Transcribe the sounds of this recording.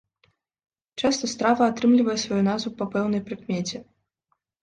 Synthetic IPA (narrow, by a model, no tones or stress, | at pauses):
t͡ʂast̪ɐst̪ɾavɐːt̪ɾɨmlʲivɐjɛsvajunazvupɐpɛwnɐjpɾɨkmʲet͡sʲɛ